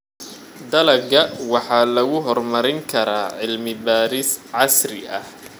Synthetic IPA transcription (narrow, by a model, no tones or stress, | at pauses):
d̪ɐlɐɡɐwɑħɑːlɐɣʊɦɔrmɐɾɪŋkʰɐɾaːʕɪlmɪbaːɾɪsʕɑsrɪ̰ʔɐh